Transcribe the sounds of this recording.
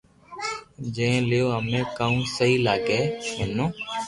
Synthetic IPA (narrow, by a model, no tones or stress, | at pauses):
d͡ʒẽẽːlɪjoːɦəmẽːkaːũːsəɦiːlaːɡɛːɦenːõː